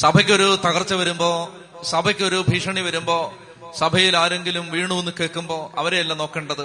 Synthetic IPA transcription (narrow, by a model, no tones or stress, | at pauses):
sɐbʱɐkʲːo̞ɾut̪ɐɣɐrt͡ɕːɐʋɐɾumbo̞ː | sɐbʱɐkʲːo̞ɾubʱiːʂɐɳiʋɐɾumbo̞ː | sɐbʱɐjilaːɾe̞ŋɡilumʋiːɳuʋenːukeːɭkːumbo̞ːʔɐʋɐɾejɐlːɐno̞ːkːeːɳɖɐðɨ